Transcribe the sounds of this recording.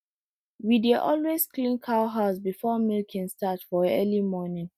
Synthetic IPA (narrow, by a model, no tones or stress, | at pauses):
wideʔɔ̰lwesklĩnkʰaʊɦaʊs̬bifɔmilkʰĩnstatfɔɛlimɔnĩŋ